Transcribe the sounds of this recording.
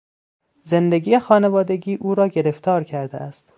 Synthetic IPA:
zend̪eɡiːexɒːnevɒːd̪e̞ɡiːʔuːɾɒːɟe̞ɾe̞ft̪ʰɒːɾcʰæɾd̪ḛæst̪

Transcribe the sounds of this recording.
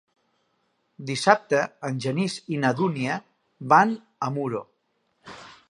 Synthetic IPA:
d̪isap̚t̪əːnʲʒənizinəðuniə | ban | əmuɾo

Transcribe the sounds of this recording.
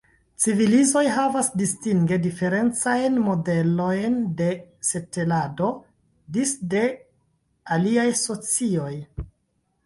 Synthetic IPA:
t͡sivilizo̞jɦavasdistiŋɡe̞dife̞ɾe̞nt͡sajnmo̞de̞lo̞jnde̞se̞te̞lado̞ | disde̞ | aliajso̞t͡sio̞j

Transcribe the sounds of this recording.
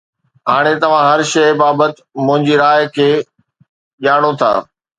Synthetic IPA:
ɦaːɽ̃et̪ɐʋ̤ãɦɐɾʃɐbaːbət̪ɪmʊ̃ɦɪ̃ɲd͡ʑiɾaːjkʰeː | ʄaːɽ̃ot̪ʰa̰ː

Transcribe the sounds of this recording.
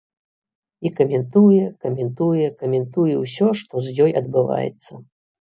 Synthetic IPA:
ikɐmʲɛnt̪ujɛkɐmʲɛnt̪ujɛkɐmʲɛnt̪ujɛwsʲɔʂt̪ɔzʲjɔjɐd̪̚bɨva̰jɛ̰t̪sːɐ

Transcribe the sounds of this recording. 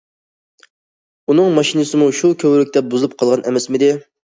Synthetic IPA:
unɨŋmɑʃinɨsɨmuʃukʲʰøwlɪk̚ʲt̪ɛp̚buzɨlˠɨp̚qʰɑlˠʁɑnʔɛ̰mɛsmɪd̪ɪ

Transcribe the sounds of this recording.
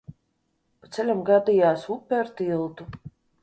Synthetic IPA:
pat̪sɛlʲamɡad̪ijaːsupʲːɛɾt̪ilˠt̪u

